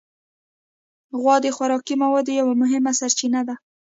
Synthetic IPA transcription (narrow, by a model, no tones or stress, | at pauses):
ɣwɑd̪exwaɾɑkimawɑd̪ejawamʊɦɪmasaɾt͡ʃinad̪a